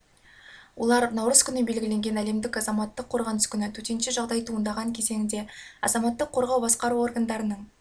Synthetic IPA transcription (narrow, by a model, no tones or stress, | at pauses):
wo̞̰lˠɑɾnɑwɾəz̥kʲʰʏnɪbe̞lɡʲɪle̞ŋɡʲe̞næle̞md̪ɪkɑzɑmɑt̪ːəqʰːo̞ɾʁɑnəskʲʰʏnɪt̪ʰɵt̪e̞nʃɪʒɑʁd̪ɑjt̪ʰuənd̪ɑʁɑŋkʲʰeze̞ŋʲɪnd̪e̞ɑ̰zɑmɑt̪ːəqʰːo̞ɾʁɑwbɑsqɑɾuo̞rɡand̪ɑɾənəɴ